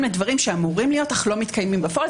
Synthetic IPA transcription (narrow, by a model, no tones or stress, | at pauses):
mledvaʁimʃeamuʁimlijo̞taχlo̞mit̪kʰajmimbefo